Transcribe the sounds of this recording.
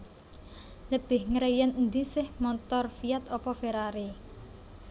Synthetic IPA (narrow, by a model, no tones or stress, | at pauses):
ləb̥ɪhŋəɾejənnd̪isɪhmɔt̪ɔrfijat̪ɔpɔfeɾaɾi